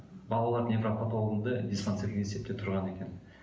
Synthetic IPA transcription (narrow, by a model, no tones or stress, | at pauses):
bɑlˠɑlˠɑɾnevɾapat̪olˠʁənd̪əd̪ʲispant̪sɨlʲeese̞p̚t̪et̪ʰʊɾʁɑne̞kʲe̞n